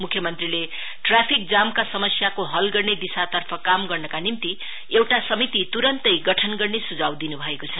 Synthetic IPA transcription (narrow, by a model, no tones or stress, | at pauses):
mukʰjʌmʌnt̪rile | ʈrapʰik̚d͡zamkasʌmʌsjakoɦʌlɡʌrned̪isat̪ʌrpʰʌkamɡʌrnʌkanimt̪i | ewʈasʌmit̪it̪uɾʌnt̪ʌjɡʌʈʰʌnɡʌrnesud͡zawd̪inubʱʌekot͡sʰʌ